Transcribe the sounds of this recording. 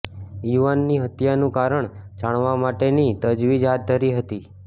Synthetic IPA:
juʋanːiɦət̪janũkaɾəɳd͡ʒaɳ̃ʋamaʈenit̪əd͡ʒʋid͡ʒɦat̪̚d̪ʱəɾiɦət̪i

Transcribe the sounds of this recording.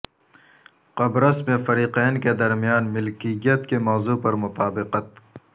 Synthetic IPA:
qɐbɾɐsmẽfɐɾiːqɛːnked̪ɐɾmijaːnmɪlkijət̪kemɔːzupɐɾmʊt̪aːbɪqət̪

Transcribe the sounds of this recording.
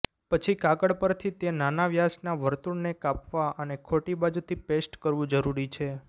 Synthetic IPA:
pət͡ʃʰikakəɽpəɾt̪ʰit̪enanaʋjasnaʋəɾt̪uɳnekapʋaʔənekʰoʈibad͡ʒut̪ʰipesʈkəɾʋũd͡ʒəɾuɾit͡ʃʰe

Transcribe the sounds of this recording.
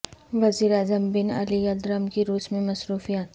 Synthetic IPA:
ʋɐziːɾaːzəmbɪnɐ̰lijɐld̪ɾəmkiɾuːsmẽmɐsɾuːfijaːt̪

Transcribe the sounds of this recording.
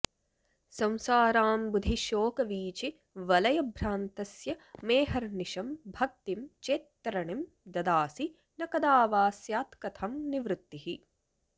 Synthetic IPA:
sɐ̃w̃saːɾaːmbud̪ʱiʃoːkɐʋiːt͡ʃi | ʋɐlɐjɐbʱɾaːnt̪ɐsjɐmeːɦɐɾniʃɐmbʱɐk̚t̪imt͡ʃeːt̪ːɾɐɳim | d̪ɐd̪aːsi | nɐkɐd̪aːʋaːsjaːt̪kɐt̪ʰɐmniʋɾut̪ːihi

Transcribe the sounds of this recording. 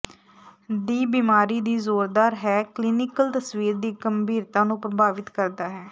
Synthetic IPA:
d̪iːbiːmaːɾiːd̪iːzoːɾd̪aːɾɦɛːkliːnɪkəlt̪əsʋiːɾd̪iːɡəmbiːɾt̪ãːnũːpɾəbaːʋɪt̪kəɾd̪aːɦɛː

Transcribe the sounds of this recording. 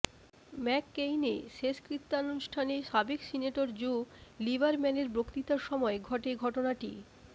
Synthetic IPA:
mɛkːejneʃeskɾit̪ːanuʃʈʰaneʃabeksineʈoɾd͡ʑolibaɾmɛneɾbɾokt̪it̪aɾʃɔmɔeɡʱɔʈeɡʱɔʈonaʈi

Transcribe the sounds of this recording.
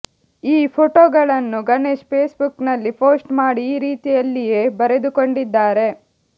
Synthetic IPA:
iːpʰoʈoːɡɐɭɐnːuɡɐneʃpʰeːsbuknɐlːipo̞ːsʈmaːɽiːɾiːt̪ijɐlːije̞ːbɐɾe̞d̪ukoɳɖid̪ːaːɾe̞

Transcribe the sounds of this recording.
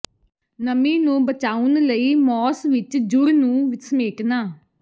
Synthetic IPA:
nəmĩːnũːbət͡ʃaːʊnləiːmɔːsʋɪt͡ʃd͡ʒʊɾnũːʋɪsmeːknaː

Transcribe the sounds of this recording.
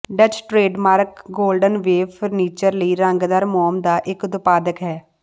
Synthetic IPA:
ɖət͡ʃʈɾeːɖmaːɾkɡoːlɖənʋeːʋfʰəɾniːt͡ʃəɾləiːɾəŋɡd̪əɾmɔːmd̪aːʔɪkd̪ʊpaːd̪əkɦɛː

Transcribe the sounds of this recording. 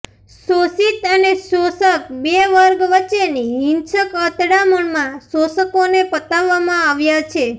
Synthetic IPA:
sosit̪ənesosəkbeʋəɾɡʋət͡ʃeniɦĩnt͡ʃəkət̪ɽaməɳmãsosəkonepət̪aʋːamãaʋjat͡ʃʰe

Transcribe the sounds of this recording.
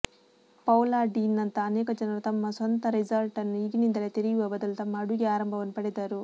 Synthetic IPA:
pɐwlaːɖinːɐnt̪ɐːnɛːkɐd͡ʒɐnɐɾut̪ɐmːɐsɐnt̪ɐɾid͡ʒɐlʈɐnːuiɡinind̪ɐlet̪eɾijuʋɐbɐd̪ɐlut̪ɐmːɐːɽuɡeaːɾɐmbʱɐʋɐnːupɐɽɛd̪aːɾu

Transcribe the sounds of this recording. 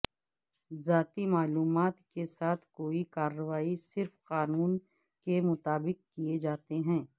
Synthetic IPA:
zaːt̪imaːluːmaːt̪kesaːt̪ʰkoːikaːɾːəʋaːisɪɾfqaːnuːn | kemʊt̪aːbɪqkied͡ʒaːt̪eɦɛ̃ː

